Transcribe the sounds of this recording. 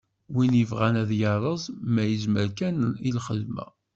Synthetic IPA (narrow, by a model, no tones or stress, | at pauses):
winjəvʁænæðjɑɾˤəzˤmæjəzməɾkænilχəlmæ̰